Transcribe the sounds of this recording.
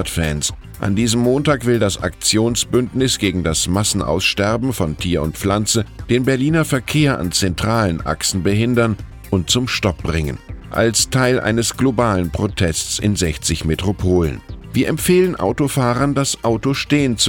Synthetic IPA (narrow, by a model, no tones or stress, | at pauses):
tfɛ̰ns | ʔa̰ndiːzəmːoːntaːkv̥ɪldasa̰k̚t͡sjoːnsb̥ʏntnɪsɡ̥eːɡŋ̩dasmasn̩ʔa̰ʊsʃtɛɐbm̩fɔntʰiːɐʊ̰nt̚p͡flant͡səd̥eːnbɛɐliːnɐfɛɐkʰeːɐa̰nt͡sɛntʁ̥aːlənʔa̰ksn̩bəɦɪndɐn | ʔʊnt̚t͡sʊmʃtɔp̚b̥ʁɪŋə̰nʔa̰lstʰaɪlʔa̰ɪnəsɡ̥lobaːlənpʁ̥otʰɛst͡sɪ̰nzɛçt͡sɪçmetʁ̥opʰoːlə̰nviːɐʔɛmfeːlənʔa̰ʊtofaːʁɐndasʔaʊtoʃteːənt͡s